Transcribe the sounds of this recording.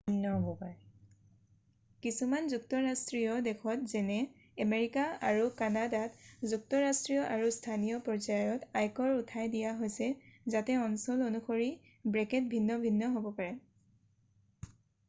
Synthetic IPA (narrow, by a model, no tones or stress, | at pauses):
inːɔɦobɔpaɹɛ | kisumanzuktɔɹastɹijɔdekʰɔtzɛnɛ | ameɹikaaɹukanadatzuk̚tɔɹastɹijɔʔaɹustʰanijɔpɔɹzajɔtajkɔɹutʰajdijaɦojsɛzatɛɔnsɔlonuxoɹi | bɹɛkɛt̚bʱinːɔbʱinːɔɦobɔpaɹɛ